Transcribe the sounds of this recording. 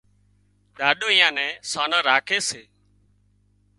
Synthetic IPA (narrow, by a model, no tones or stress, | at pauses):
ɗaːɗoːĩːãːnɛ̃ːsaːnãːɾaːkʰeːseː